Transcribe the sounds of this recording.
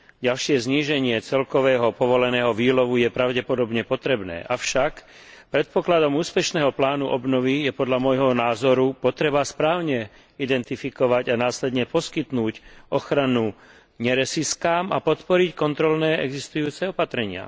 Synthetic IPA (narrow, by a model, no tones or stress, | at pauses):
ɟalʃɪɛzɲiːʒɛɲɪɛt͡sɛlkɔʋɛːɦɔpɔʋɔlɛnɛːɦɔʋiːlɔʋujɛpɾaʊɟɛpɔd̪ɔbɲɛpɔt̪ɾɛbnɛ̰ːʔaʊʃak | pɾɛt̪̚pɔklad̪ɔmuːspɛʃnɛːɦɔplaːnuʔɔbnɔʋijɛpɔd̪ʎamɔjɦɔnaːzɔɾupɔt̪ɾɛbaspɾaːʊɲɛ | id̪ɛnt̪ifikɔʋaɟanaːslɛd̪ɲɛpɔskit̪nuːcɔxɾanu | ɲɛɾɛsiskaːma̰pɔt̪pɔɾickɔnt̪ɾɔlnɛːɛ̰ɡzist̪ujuːt͡sɛɔpat̪ɾɛɲɪa̰